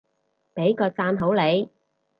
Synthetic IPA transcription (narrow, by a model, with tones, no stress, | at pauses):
pe˨˥jkɔː˧t͡saː˧nɦo˨˥wle˨˧j